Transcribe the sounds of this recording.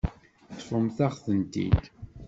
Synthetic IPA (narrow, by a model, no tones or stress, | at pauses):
t͡sːfəmθaχθənt̪ḭd̪